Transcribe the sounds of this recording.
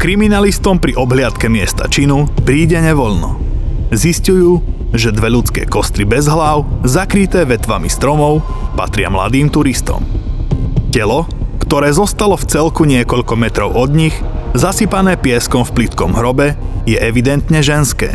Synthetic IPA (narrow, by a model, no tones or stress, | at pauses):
kɾiminalist̪ɔmpɾiʔɔbɦlɪat̪kɛmɪɛst̪a̰t͡ʃinupɾiːɟɛɲɛʋɔʎnɔ̰ | ziscujuːʒɛd̪ʋɛʎut͡skɛ̰ːkɔst̪ɾibɛzɦlaːʊzakɾit̪ɛːʋɛt̪ʋamist̪ɾɔmɔʊ | pa̰t̪ɾɪa̰mla̰d̪iːmt̪uɾist̪ɔ̰m | cɛlɔ | kt̪ɔɾɛːzɔst̪alɔft͡sɛlkuɲɪɛkɔʎkɔmɛt̪ɾɔʊʔɔd̪ɲiɣzasipanɛːpɪɛskɔmfplit̪kɔmɦɾɔbɛjɛʔɛʋid̪ɛnt̪ɲɛʒɛnskɛ̰ː